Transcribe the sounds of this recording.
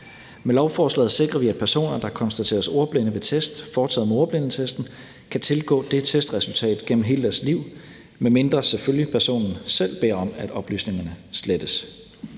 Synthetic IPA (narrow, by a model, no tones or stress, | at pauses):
melɒʊfɒːslɛ̰ːð̩ˠse̝ɡ̥ʁɐʋiæd̥pʰæɐso̝̰ːnɐd̥ɑkʰɒ̽nsd̥æt͡sʰe̝̰ːɐso̝ɐb̥lenəʋe̝t͡sʰesd̥fɒːt͡sʰɛ̰ð̩̰ˠmo̝ɐb̥le̝nət͡sʰesd̥n̩ | kʰæt͡sʰe̝lɡ̥ɔ̰̽ːd̥e̝t͡sʰesd̥ʁɛsult͡sʰɛ̰ːd̥ˠɡ̥en̰m̩ɦe̝ːləd̥æɐsliʊ̰ | meme̝nd̥ʁɐseføljipʰæɐso̝̰ːnn̩sel̰b̥e̝ɐɒ̽mæd̥ɒ̽b̥ly̰ːsne̝ŋɐnəsled̥əs